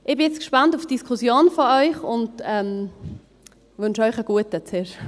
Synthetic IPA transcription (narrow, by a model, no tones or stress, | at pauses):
ʔɪbɪɛt͡skʃpantufd̥iskʰʊsjoːnfɔœʏχʊndɛm | vʏnʃɔʏχəɡ̥uətət͡sɪɾ